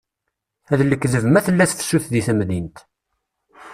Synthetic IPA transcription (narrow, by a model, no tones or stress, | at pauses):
æðlːəkːðəvəmæθəlːæθθsuθðiθæmðint̪